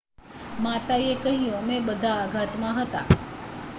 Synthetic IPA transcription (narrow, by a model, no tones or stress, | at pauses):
mat̪ajekəɦiõmẽɓəd̪ʱaːɡʱat̪mãɦət̪a̰